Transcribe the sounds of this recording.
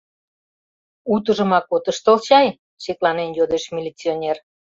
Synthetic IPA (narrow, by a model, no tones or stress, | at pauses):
ut̪əʒə̆mɑkot̪əʃt̪olt͡ɕɑj | ɕeklɑnenjod̪eʃmʲilʲit͡sionʲer